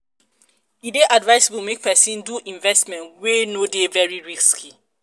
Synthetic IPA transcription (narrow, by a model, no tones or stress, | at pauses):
ideʔadvaɪsbumek̚pɛsĩnduʔĩɱvɛstmɛ̃ntwenodevɛɹiɹiskʰi